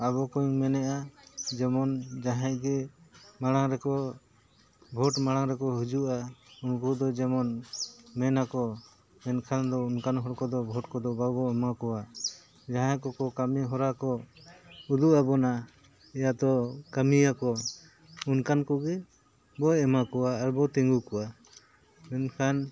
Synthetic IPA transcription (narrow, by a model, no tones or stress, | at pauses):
abɔkɔjuŋmɛnɛʔad͡ʒɛmɔnd͡ʒaɦɛ̃ʔɡɛmaɽ̃aŋɾɛkɔ | bʱɔʈmaɽaŋɾɛkɔɦud͡ʒuʔaunkɔd̪ɔd͡ʒɛmɔnmɛnakɔ | mɛnkʰand̪ɔunkanɦɔɾkɔd̪ɔbʱɔʈkɔd̪ɔbabɔɛmakɔwa | d͡ʒaɦãkɔkɔkamiɦɔɾakɔ | ud̪uʔabɔna | ɛjad̪ɔkamiakɔ | unkankɔɡɛ | bɔɛmakɔwaːɾbɔt̪ɛŋɡukɔwa | mɛnkʰan